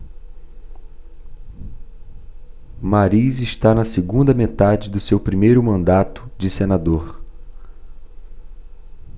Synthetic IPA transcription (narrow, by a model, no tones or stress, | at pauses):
maɾiziʃt̪anɐseɡũnd̪ɐmet̪ad͡ʒɪd̪ʊsewpɾimejɾʊmɐ̃nd̪at̪ʊ̥d͡ʒɪsenad̪oɾ